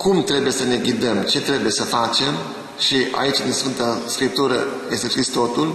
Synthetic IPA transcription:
kumt̪ɾe̞buje̞səne̞ɡʲid̪əmt͡ʃe̞t̪ɾe̞buje̞səfat͡ʃe̞m | ʃia̰it͡ʃʲd̪insfɨnt̪əskɾip̚t̪uɾə̰jest̪eskist̪o̞t̪ul

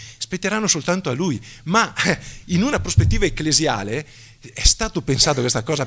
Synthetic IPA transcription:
spet̪ːeɾanːosolt̪ant̪oalːujmainunapɾospet̪ːiːvaekːlezja̰ːle | ɛst̪aːt̪opensaːt̪okwest̪akɔːza

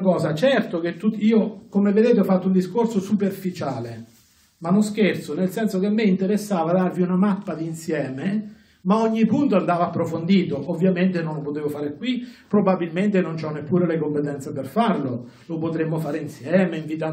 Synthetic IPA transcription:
kɔːzat͡ʃɛrt̪ok̟et̪ːut̪ːiːokomeved̪eːt̪eɔfːat̪ːound̪iskorsosuperfit͡ʃaːle | manosk̟ert̪sonelsɛnsok̟emːeint̪eɾesːaːvad̪arviunamapːad̪insjɛːme | maoɲːipːunt̪oand̪aːvaapːɾofond̪iːt̪oʔovːjament̪enõnlopot̪eːvofaːɾekːwipɾobabːilment̪enont͡ʃɔnːepːuːɾelekompet̪ɛnt̪seperfarlo | lopot̪ɾemːofaːɾeinsjɛːmeiɱvit̪a

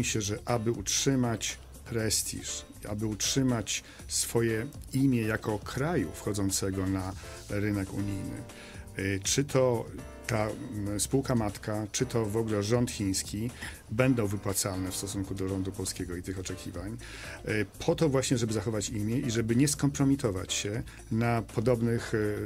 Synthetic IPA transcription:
miɕɛʐɛʔabɘutʂɘmat͡ɕ | pʰɾɛst̪ʲʰḭʂ | ia̰bɘutʂɘmat͡ɕ | sfɔjɛimʲjɛjakɔkʰɾajṵfxɔd̪zɔnt̪sɛɡɔna | ɾɘnɛkṵɲijnɘ̰ | t͡ʂɘt̪ʰɔ | t̪aspuwkamat̪kat͡ʂɘt̪ʰɔvɔɡulɛʐɔnt̪xʲĩj̃skʲi | bɛnd̪ɔ̃w̃vɘpwat̪salnɛfst̪ɔsuŋkud̪ɔʐɔnd̪upɔlskʲɛɡɔit̪ɘxɔt͡ʂɛkʲivaɲ | pʰɔt̪ɔvwaɕɲɛʐɛbɘzaxɔvat͡ɕimʲjɛʔiʐɛbɘɲɛskɔmpɾɔmʲit̪ɔva̰t͡ɕɕɛ | napʰɔd̪ɔbnɘx

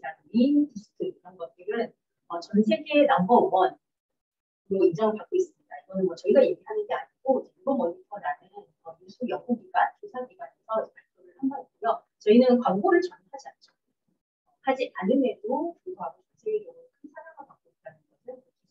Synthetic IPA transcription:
aninisʰɯ̥tʰɯiɾʌnɡʌt̚t͈ɯɾɯn | ʌt͡ɕʌnsʰe̞ɡenambʌːmʌn | ɾoid͡ʑʌŋjak͈ois͈ɯmɲid̥aiɡʌnɯnmwʌt͡ɕʌiɡaje̞ɡiɦanɯnɡeaɲiɡ̥od͡ʑeʌɭbʌnmʌɲitʰʌɾanɯn | ʌjusʰujʌɡuɡiɡatʰosʰaɡiɡanesʰʌd͡ʑepaɭpʰjoɾɯɭhambaiɡujʌ | t͡ɕʌinɯnkwaŋɡoɾɯɭt͡ɕʌnpʰad͡ʑiant͡ɕ͈ʰʌ̥ | ʌhad͡ʑitaɾɯme̞dotuŋdʰoɦaɡot͡ɕʌnsʰeɡeɡjʌɡɯkʰɯnsʰaɾaɡakak̚k͈oianɯnɡʌsʰɯnoi

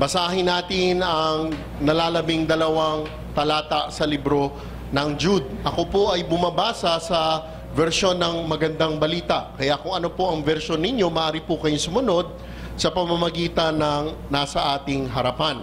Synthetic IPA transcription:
bɐsaːɦɪnːaːt̪ɪnɐŋ | nɐlaːlɐbiŋd̪ɐlɐwaŋ | t̪ɐlaːt̪ɐʔsɐlibɾo̞ | nɐŋd͡ʒud̪̚ʔɐko̞poʔɐjbʊmɐbaːsɐsɐ | vɛɾʃo̞nːɐŋmɐɡɐnd̪aŋbɐliːt̪ɐʔkɐjakʊŋɐno̞poʔɐŋvɛɾʃo̞nːɪɲjo̞mɐʔaːɾipʊkɐjoŋsʊmʊno̞d̪̚ | sɐpɐmɐmɐɡiːt̪ɐnɐŋ | nasɐʔaːt̪ɪŋɦɐɾɐpan

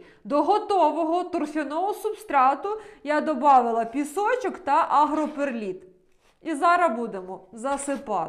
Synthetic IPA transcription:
d̪ɔɦɔt̪ɔʋɔɦɔt̪ɔrfʲɔnɔɦʊsubst̪ɾɑt̪ʊjad̪ɔbɑʋɪlˠɐpʲisɔt͡ʃɔkt̪ɐʔɐɦɾɔperlʲit̪ | izɑɾɐbud̪emɔzɐsɪpɑ̰

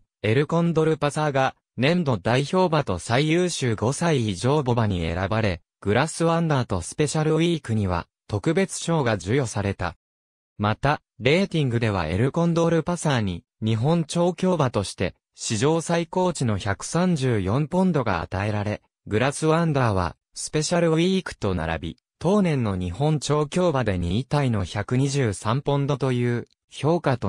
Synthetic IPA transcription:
e̞ɾɯ̟kõ̞nd̪o̞ɾɯ̟pasaːɡa | nẽ̞mbo̞d̪aiço̞ːbat̪o̞saijɯːɕɨːɡo̞saiːʑo̞ːbo̞baɲ̟ḭe̞̰ɾabaɾe̞ | ɡ̥ɯ̟ɾasɨβãnd̪aːt̪o̞sɨ̥pe̞ɕaɾɯ̟iːkɯ̟ɲ̟iβa̰ | t̪o̞kɯ̟be̞t͡sɨ̥ɕo̞ːɡad͡ʑɨjo̞saɾe̞t̪a̰ | mat̪a | ɾe̞ːt̪ʲĩŋɡɯ̟d̪e̞β̞a̰e̞̰ɾɯ̟kõ̞nd̪o̞ɾɯ̟pasaːɲ̟i | ɲ̟iɦõ̞ɲt͡ɕo̞ːkʲo̞ːbat̪o̞ɕi̥t̪e̞ | ɕiʑo̞ːsaiko̞ːt͡ɕino̞çakɯ̟̥sãɲ̟d͡ʑɨːjõ̞mpõ̞nd̪o̞ɡa̰a̰t̪ae̞ɾaɾe̞ | ɡɯ̟ɾasɨβãnd̪aβ̞a̰ | sɨ̥pe̞ɕaɾɯ̟βʲikɯ̟̥t̪o̞na̰ɾa̰bʲḭ | t̪o̞ːnẽ̞nːo̞ɲ̟ihõ̞ɲt͡ɕo̞ːkʲo̞ːbad̪e̞ɲ̟iːt̪aino̞çakɯ̟ɲ̟iʑɨːsãmpõ̞nd̪o̞t̪o̞jɯ̟ː | ço̞ːkat̪o

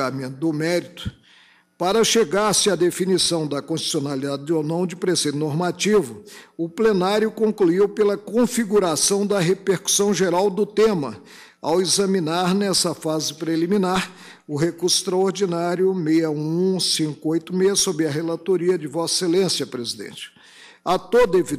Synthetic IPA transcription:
amẽt̪ʊd̪ʊmɛɾit̪ʊ̥ | paɾɐʃeɡaɾsɪad̪efinisɐ̃w̃d̪ɐkõst͡ʃi̥sionalid̪ad͡ʒɪd͡ʒ̪onɐ̃w̃d͡ʒɪpɾesejd̪ʊnoɾmat͡ʃivʊʊplenaɾjʊkõŋkluiwpelɐkõfiɡuɾasɐ̃w̃d̪ɐɦepeɾku̥sɐ̃w̃ʒeɾawd̪ʊt̪ẽmɐ | a̰wezɐmĩnaɾnɛsɐfazɪpɾelimĩnaɾ | ʊɦekuɾsʊ̥st̪ɾɐoɾd͡ʒinaɾjʊmejɐũsĩkʊojt̪ʊmejɐsobɾɪɐɦelat̪oɾiɐd͡ʒɪvɔselẽsjɐpɾezid̪ḛ̃nt͡ʃɪ̥ | at̪od̪ɐevi

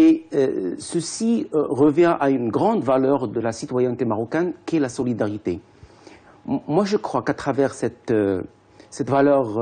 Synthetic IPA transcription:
ḛ | səsiʁəvjɛ̃ʔaynɡʁɑ̃d̪valœʁd̪əlasit̪wajɛnt̪emaʁɔkɛnkʲiɛlasɔlid̪aʁit̪e | mwaʒəkχwakat̪χavɛʁsɛt̪ | sɛt̪valœʁ

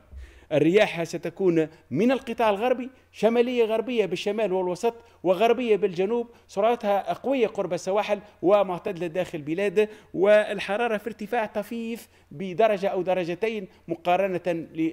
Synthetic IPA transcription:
ʔɪrːɪjaːħhasæt̪ækuːn | mɪnɪlqɨt̪ˤɑːʕɪlɣɑɾˤbi | ʃæmæːlɪjːaɣɑɾbɪjːabɪʃːamæːlwɪlwɑsˤɑt̪ˤ | wɪɣɑɾˤbɪjːabɪlʒænuːb̚sˤʊɾˤʕɑt̪hæqɑwɪjːaqʊɾˤbasawaːħɪlwɪmʊʕt̪æd̪lɪd̪æːxɪllbilæːd̪wɪɪlħɑɾˤɑːɾˤɑfiɾt̪ɪfaːʕt̪ˤɑfiːf | bɪd̪ɑɾˤɑʒaʔæwd̪ɑɾˤːɑʒat̪aːn | mʊqɑːɾˤɑnalɪ

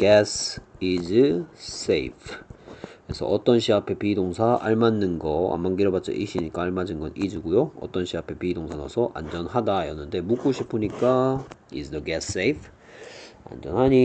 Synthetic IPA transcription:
ɡ̥esid͡ʑɯs͈ejpʰ | ɾesʰʌ̰ʔʌt͈ʌnɕʰiapʰe̞pidoŋsʰaʔa̰ɭmanːɯnɡʌa̰mːankiɾobat͡ɕ͈ʌ̰ʔiɕʰiɲik͈aːɭmad͡ʑinɡʌnid͡ʑuɡujoʌ̰t͈ʌnɕʰiapʰe̞pidoŋsʰanosʰʌʔa̰nd͡ʑʌnhadajʌnːɯnde̞muk͈uɕʰipʰɯɲik͈aḭsdʌɡɛss͈eipʰ | a̰nd͡ʑʌnɦhaɲi

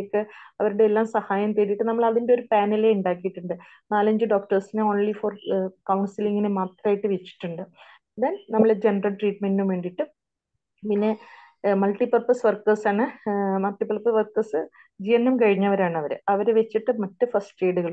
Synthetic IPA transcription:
kːeɐʋɐɾuɽeelːaːmsɐhaːjɐmt̪eɾiʈːɨnɐmːɐɭɐðinde̞oɾupaːnɐleuɳɖaːkːijiʈːuɳɖɨ | naːlɐɲd͡ʑɨɖo̞ːk̚ʈɐrsinɨo̞ːnlifoːrkɐwɳsiliŋːɐnemaːt̪rɐaːjiʈːɨʋet͡ɕːi̥ʈːuɳɖɨ | ðaːnnɐmːɐɭed͡ʑe̞nɐrɐlʈriːʈme̞nɖumʋe̞ːɳɖiʈːɨ | pinːe̞ | mɐlʈipɐrpɐsʋɐrkɐrsaːɳɨmɐlʈːipɐrpːɐsʋɐrkɐrsɨ | d͡ʑijɐnːɐmkɐɻiɲːɐʋɐɾaːɳɨɐʋɐɾɨɐʋɐɾʋet͡ɕːiʈːɨmɐtːɨfɐsʈeːɽuɣɐɭ

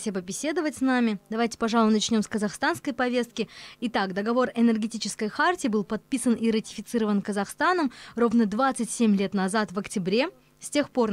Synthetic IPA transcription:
sʲibəbʲɪsʲe̞d̪əvətʲsnamʲɪd̪ɐvajtʲɪ̥pɐʐɑlˠʊnɐt͡ɕnʲo̞mskəzɐxst̪anskəjpɐvʲe̞st̪̚kʲɪɪt̪akd̪əɡɐvo̞rɪnʲərɡʲɪtʲit͡ɕɪskəjxartʲɪːbɨlˠpɐt̪̚pʲisəniɾətʲɪ̥fʲɪt̪sɨɾəvənkəzɐxst̪anəmro̞vnəd̪vat̪sɨtʲsʲemʲlʲe̞t̪nɐzat̪vəktʲɪbɾʲe̞ | sʲtʲe̞xpo̞r

